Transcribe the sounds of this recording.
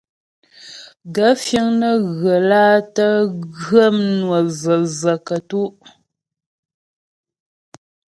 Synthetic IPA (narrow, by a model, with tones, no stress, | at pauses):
ɡə˨˦fjə˦ŋnə˦ɣə˨laː˦tə˦ɣə˦mnwə˨zə˨zə˨kə˨tu˦ʔ